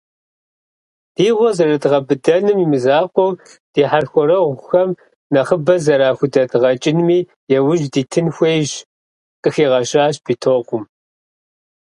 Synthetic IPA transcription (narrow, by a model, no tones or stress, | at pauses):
d̥iːʁʷɔzɐrɐdʁɐbɨdɐnɨmimɨzaːqʷʼɔw | d̥iːħarxʷɔɾɐʁʷʊxɐm | nɐχəbɐzɐɾaːxʷʊdɐdʁɐt͡ʃʼɪnmiː | jɛwʊʒdiːtʰɨnxʷejʒ | qʼɨxiːʁɐɕʼaːɕb̥iːtʰoːqʷʊm